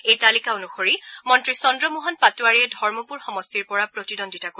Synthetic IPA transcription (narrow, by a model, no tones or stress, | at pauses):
ejtalikaonuxoɹimɔntɹisɔndɹɔmuɦɔnpatuaɹiɛdʱɔɹmɔpuɹxɔmɔstiɹpɔɹapɹotidondʱitako